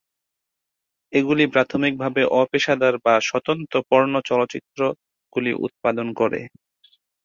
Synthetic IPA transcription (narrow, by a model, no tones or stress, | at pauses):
eɡulipɾat̪ʰomik̚bʱabeʔɔpeʃad̪aɾbaʃɔt̪ont̪opɔɾnot͡ɕɔlot͡ɕit̪ːɾo | ɡ̥ulḭʔṵt̪̚pad̪onkɔɾḛ